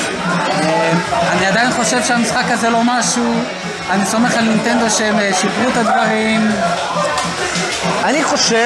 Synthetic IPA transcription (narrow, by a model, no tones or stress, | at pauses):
emaniad̪ajinχo̞ʃe̞vʃeamisχakaze̞lo̞maʃu | aniso̞me̞χalnint̪e̞nd̪o̞ʃmeʃipʁut̪ad̪vaʁim | aniχo̞ʃe